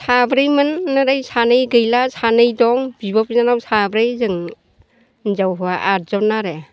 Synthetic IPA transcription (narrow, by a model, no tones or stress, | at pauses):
sabɾɯjmɯnːɯɾajsʰanɯjɡɯjlasʰanɯjdɔŋbibɔpinanawsabɾɯjzɯŋ | zawɦɔaʔat̚zɔnaɾe